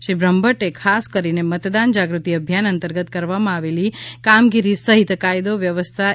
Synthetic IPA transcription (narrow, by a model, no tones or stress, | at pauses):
ʃibɾəmbəʈekʰaskəɾinemət̪d̪and͡ʒaɡɾut̪iəbʱjanənt̪əɾɡət̪kəɾʋamãaʋelikamɡiɾisəɦit̪kajd̪oʋjəʋəst̪ʰa